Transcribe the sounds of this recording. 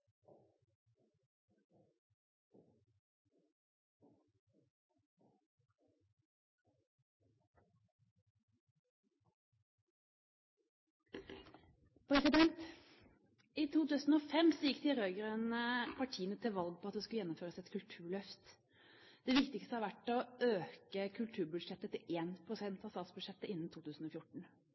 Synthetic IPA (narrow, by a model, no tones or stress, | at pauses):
pʰɾɛsɪd̪ɛnt̪ | ʔiːt̪ʰuːt̪ʉːsn̩oːfɛmsɔjɪkːt̪ʰɪlɾøʏɡəɾənəpʰɑʈʰiːənət̪ʰɪlʋɑlɡ̚pʰɔɑt̪̚d̪ɛskʉljɛnːʊmføːɾəsɛt̪kʰʉlt̪ʰʉːɭœft̪ | d̪̥ɛʋɪkt̪ɪkst̪əhɑːʋæʈːɔøːkəkʰʉlt̪ʰʉːbʉd̪ʂɛt̪ːət̪ʰɪlʔeːnpʰʁʊsɛnt̪ɑst̪ɑːt̪sbʉd̪ʃɛt̪ːəʔɪnːn̩t̪ʰuːt̪ʰʉːsn̩oːfjʊʈɳ̩